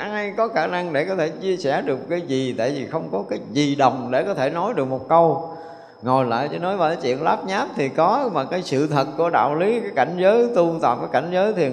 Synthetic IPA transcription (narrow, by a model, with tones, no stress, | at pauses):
jkɔ˨˦xaː˧˩na˧ŋɗe˧˩kɔ˨˦t̪ʰe˧˩t͡ɕi˧əsɛ˧˩ɗɨ˨˩əkːaː˨˦jzi˨˩t̪a̰ː˧˨jvi˨˩xə˧wŋ͡mkɔ˨˦kaː˨˦jzi˨˩ɗə˨˩wŋ͡mɗe˧˩kɔ˨˦t̪ʰe˧˩nɔ˨˦jɗɨ˨˩ək̚mo˨˩t̚kə˧w | ŋo˨˩jla̰ː˧˨jt͡ɕɔ˧nɔ˨˦jvaː˨˩aː˨˦jt͡ɕwḭ˧˨ənlaː˦˥p̚ɲaː˦˥p̚t̪ʰi˨˩kɔ˨˦maː˨˩kaː˨˦jsɨ̰˧˨t̪ʰə˨˩t̚ku˧˩əɗa̰ː˧˨wli˨˦kaː˨˦jka˧˩jŋ̟zəː˨˦jt̪u˧t̪a̰ː˨˩vaː˨˦ka˧˩jŋ̟zəː˨˦jt̪ʰi˨˩ə